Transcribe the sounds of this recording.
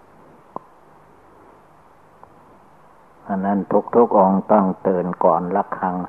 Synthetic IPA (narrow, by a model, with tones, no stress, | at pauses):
ʔa˧nːa˥˨nt̪ʰu˦˥k̚t̪ʰu˦˥˩k̚ʔo˧ŋt̪ɔ˥˩ŋt̪ɤː˨˩nkɔː˨˩nla˧˩kʰːa˧˥ŋ